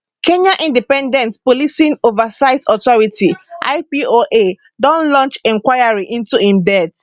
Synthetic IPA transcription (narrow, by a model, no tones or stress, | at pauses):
kʰẽɲãʔĩndipɛ̃ndɛ̃ntpɔlisĩnovasaɪtɔtɔɹitʰiʔa̰ɪpioʔe | dɔ̃nlɔ̃nt͡ʃɛ̃ŋkwaɪaɹiʔĩntuĩmdɛt